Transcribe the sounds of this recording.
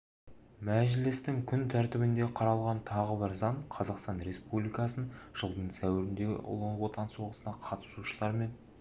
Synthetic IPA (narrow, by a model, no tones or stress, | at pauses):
mæʒlɪst̪ɪŋkʲʰʏnt̪ʰæɾt̪ɪbɪnd̪e̞qʰɑɾɑlˠʁɑnt̪ʰɑʁəbɪɾzɑɴqʰɑzɑqst̪ɑnɾe̞spublˠijkɑsənʒ̥əlˠd̪əɴsæwɪɾɪnd̪e̞ɡʲɪ̰ʔʊ̰lˠəɴwot̪ɑnswoʁəsənɑqʰɑt̪ə̥suʃəlˠɑɾme̞n